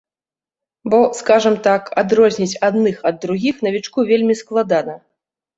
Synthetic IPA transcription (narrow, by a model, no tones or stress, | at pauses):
bɔskaʐɐmt̪akad̪ɾɔzʲnʲit͡sʲad̪nɨxɐd̪ːɾuɣʲixnɐvʲit͡ʂkuvʲelʲmʲisklˠad̪anɐ